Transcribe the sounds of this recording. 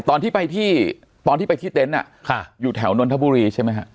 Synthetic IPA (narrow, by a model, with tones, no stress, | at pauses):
t̪ɔː˧t̪ʰiː˥˩pa˧jt̪ʰiː˥˩ | t̪ɔː˧nt̪iː˥˩pa˧jt̪ʰiː˥˩t̪e˦˥nʔa̰˨˩ | kʰa˧˩juː˨˩t̪ʰɛ˩˦wno˧nt̪ʰa˦˥buː˧ɾiː˧t͡ɕʰa˥˩jma˦jkʰa˦˥ʔ